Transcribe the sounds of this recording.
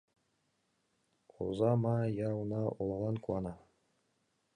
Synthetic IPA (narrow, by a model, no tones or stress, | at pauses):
o̰zɑmɑjɑwnɑʔolˠɑlˠɑnkuwˠɑnɑ